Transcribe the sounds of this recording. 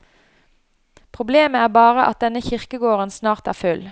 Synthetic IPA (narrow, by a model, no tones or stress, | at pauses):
pʰʁʊbleːməæːbɑːʁəʔɑ̰t̪̚d̪ɛnəçɪʁkəɡoːʁənsnɑːʁt̪æ̰ːʁfʉl